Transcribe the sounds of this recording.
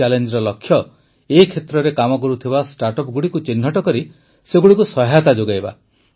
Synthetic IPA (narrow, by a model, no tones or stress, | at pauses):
alend͡ʒɾɔlɔkʰːjɔ | ekʰet̪ɾɔɾekamɔkɔɾut̪ʰibasʈaɾʈɔpɡuɽikut͡ʃinɦɔʈɔkɔɾi | seɡuɽikusɔɦat̪ad͡ʒoɡajba̰